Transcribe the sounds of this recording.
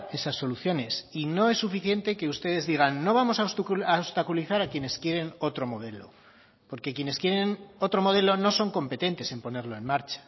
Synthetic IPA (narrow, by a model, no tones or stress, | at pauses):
e̞sasːo̞luθjo̞ne̞sino̞e̞sːufiθje̞nt̪e̞ke̞ust̪e̞ðe̞zðiɣ̞anːo̞β̞amo̞saosaost̪akuliθaɾakje̞ne̞skje̞ɾe̞no̞t̪ɾo̞mo̞ð̞e̞lo̞̰ | po̞ɾkekje̞ne̞skje̞ɾe̞no̞t̪ɾo̞mo̞ð̞e̞lo̞no̞so̞ŋko̞mpe̞t̪ent̪e̞se̞mpo̞ne̞ɾlo̞e̞nmaɾt͡ʃḁ